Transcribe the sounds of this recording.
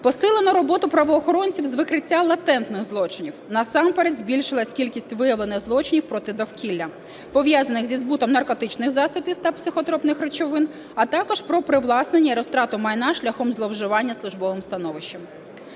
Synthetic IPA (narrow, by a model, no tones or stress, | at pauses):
pɔsɪlˠenɔɾɔbɔt̪ʊpɾɐʋɔːxɔɾɔnʲt͡sʲiwzʋɪkɾɪtʲːalˠɐt̪ɛnt̪nɪxzlˠɔt͡ʃɪnʲiwnɐsɑmpɛɾed̪ʲzʲbʲilʲʃɪlˠɐsʲkʲilʲkʲisʲtʲʋɪjɐʋlˠenɪxzlˠɔt͡ʃɪnʲiwpɾɔt̪ɪd̪ɔwkʲilʲːɐ | pɔʋʲjazɐnɪxzʲizbut̪ɔmnɐrkɔt̪ɪt͡ʃnɪxzɑsʊpʲiwt̪ɐpsɪxɔt̪ɾɔpnɪxɾet͡ʃɔʋɪn | ɐt̪ɑkɔʃpɾɔpɾɪʋlˠɑsnenʲːɐɾɔst̪ɾɑt̪ʊmɐjnɑʃlʲɐxɔmzlˠɔwʒʊʋɑnʲːɐslˠʊʒbɔʋɪmst̪ɐnɔʋɪʃt͡ʃːɐm